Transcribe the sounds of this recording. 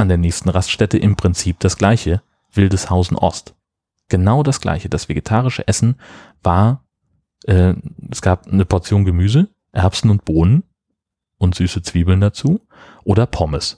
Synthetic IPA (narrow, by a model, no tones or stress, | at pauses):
ʔandeːɐnɛːçstn̩ʁastʃtɛtəʔɪmpʁ̥ɪnt͡siːp̚d̥asɡ̥laɪçə | v̥ɪldəshaʊzn̩ʔɔ̰st | ɡ̥ənaʊdasɡ̥la̰ɪçəd̥asv̥eɡetʰaːʁ̞ɪʃə̰ʔɛsn̩ | v̥aːɐ | ʔɛːɛsɡ̥aːp̚nəpʰɔɐt͡sjoːnɡəmyːzə | ʔɛɐpsn̩ʊnt̚b̥oːnən | ʔʊntz̥yːsət͡sv̥iːbl̩ndat͡suː | ʔoːɾɐpʰɔməs